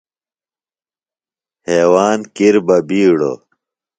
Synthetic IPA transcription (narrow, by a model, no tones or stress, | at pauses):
heːwaːnkiɾbɐbiːɽo̰